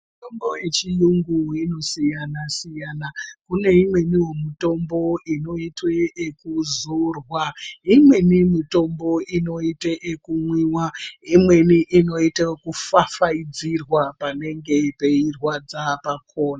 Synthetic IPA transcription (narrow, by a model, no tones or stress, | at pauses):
mutombojet͡ʃijuŋɡuwino̞sijanasijanakune̞imwe̞niwemito̞mbo̞ino̞itweːkuzorwaimwe̞nimito̞mbo̞ʔino̞iteʔekumwiːwaimwe̞niʔino̞itekufafaid͡zirwapane̞ŋɡe̞pe̞irwad͡zapakʰo̞ːnaa